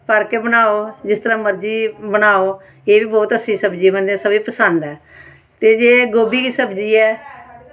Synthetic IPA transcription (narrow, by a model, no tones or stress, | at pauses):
pəɾkeːbənaːoːd͡ʒɪst̪əɾãːməɾd͡ʒiːbənaːoː | eːbiːbɔːt̪əsʰĩːsəbd͡ʒiːbənd̪ɛːsəbiːpəsənd̪ɛː | t̪eːd͡ʒeːɡoːbiːkiːsəbd͡ʒiːɛː